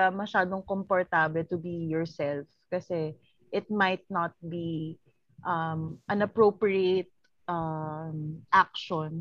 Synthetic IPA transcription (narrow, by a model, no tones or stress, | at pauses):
amɐʃaːd̪oŋkompɔɹt̪ablɛt̪ʊbijɔɹsɛlfkɐsɛ | ʔɪt̪̚majt̪̚nɐt̪̚bi | ʔɐmʔɐ̃nɐpɹoːpɹiet̪̚ | ʔamʔak̚ʃɔn